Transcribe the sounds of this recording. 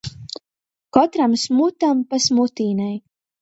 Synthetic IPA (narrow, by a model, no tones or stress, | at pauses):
kɔt̪ɾamsmut̪ampasmut̪iːnaj